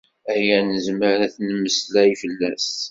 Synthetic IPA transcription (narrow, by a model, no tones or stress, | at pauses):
æjænəzməɾæθnəmːəslæifəlːæs